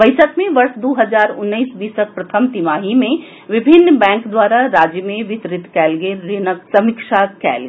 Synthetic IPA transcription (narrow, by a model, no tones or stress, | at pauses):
bɐɪsəkmẽʋɐɾsd̪oːɦɐzaːɾʊnːəiːsbiːsək̚pɾɐt̪ʰəmt̪imaːɦimẽ | ʋɪbʱɪnːbɛ̃ːŋkd̪waːɾaɾaːd͡ʒjəmẽʋɪt̪ɾɪt̪kɛːlɡeɾːɪnəsɐmikʃakɛ̰ːlɡ